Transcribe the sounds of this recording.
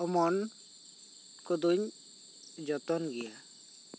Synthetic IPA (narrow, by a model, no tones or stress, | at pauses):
ɔmɔn | kɔd̪uɲ | d͡ʒɔt̪ɔnɡɛja